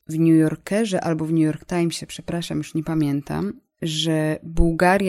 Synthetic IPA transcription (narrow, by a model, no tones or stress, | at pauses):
vɲujɔɾkɛʐɛʔalbɔvɲujɔɾkt̪ajmɕɛpʂɛpɾaʂamjuʂɲɛpamʲjɛnt̪a̰m | ʐɛbuwɡaɾʲj